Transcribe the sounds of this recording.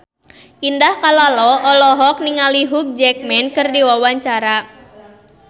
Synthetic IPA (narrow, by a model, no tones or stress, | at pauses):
ʔindahkalalɔʔɔlɔɦɔk̚niŋaliɦuk̚d͡ʒɛk̚mɛnkɨrdiwawaɲt͡ʃaɾa